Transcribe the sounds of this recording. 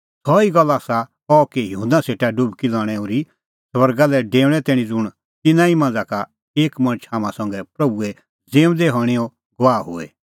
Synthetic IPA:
sʰɔiɡɐlːaːsa | ɔkejɦũnd̪aseːʈaɖubkilaːɽ̃ɛoːɾi | swɐɾɡalɛɖeːʊɽ̃ɛt̪ɛːɽ̃ĩd͡zʊɽ̃ | t̪ɪnãimãːnd͡zaka | eːkmɐ̃nət͡ʃʰaːmãsɐ̃ŋɡɛpɾɐbuɛ | d͡zẽːm̃d̪eɦɔːɽ̃iɔ | ɡɔʋaːɦʊ̰ɛ̰

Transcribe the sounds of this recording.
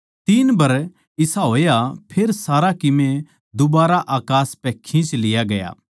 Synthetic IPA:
t̪iːnbɐɾ | ɪsaɦoːjapʰeːɾsaːɾakɪmẽ | d̪ʊbaːɾaʔaːkaːspɛ̃kʰĩt͡ʃlɪjaɡɐja̰ː

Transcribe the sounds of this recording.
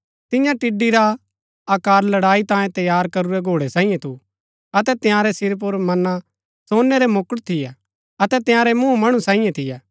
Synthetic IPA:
t̪ɪjãʈɪɖːiɾa | aːkaːɾlɐɽaːit̪ãːjẽt̪ɐjaːɾkɐɾuɾɛɡʱoːɽɛsãːĩjẽt̪ʰu | ɐt̪ɛt̪ɪjãːɾɛsɪɾp̬ʊɾmɐna | soːnːɛɾɛmʊkəɽt̪ʰɪjɛ | ɐt̪ɛt̪ɪ̃jãːɾɛmũmɐɽ̃usãːĩjẽt̪ʰɪjɛ

